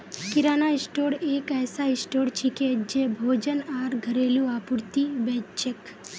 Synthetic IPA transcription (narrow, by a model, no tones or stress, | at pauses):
kɪɾaːnaɪsʈoːɽeːkɛːsaɪsʈoːɽt͡ʃʰiked͡ʒebʱoːd͡ʒənaːɾɡʱəɾeːljũaːpʊɾt̪ibɛːt͡ʃek